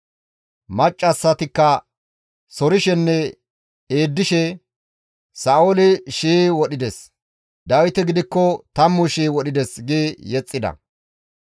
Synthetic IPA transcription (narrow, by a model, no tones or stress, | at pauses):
mɐt͡ʃʼːɐsːɐt̪ɪkːɐ | sɔɾɪʃɛnːɛ | eːd̪ːɪʃɛ | saːolɪʃiːwɔɗɪd̪ɛs | d̪ɐwɪt̪ɛɡɪd̪ɪkːɔt̪ɐmːʊʃiːwɔɗɪd̪ɛsɡeːjɛt͡sʼːɪd̪ɐ̰